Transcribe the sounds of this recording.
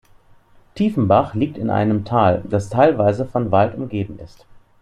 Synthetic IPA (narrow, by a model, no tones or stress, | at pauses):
tʰiːfn̩baχliːk̚tɪnʔa̰ɪnəmtʰaːld̥astʰaɪlvaɪzəfɔnvaltʊmɡeːbm̩ɪ̰st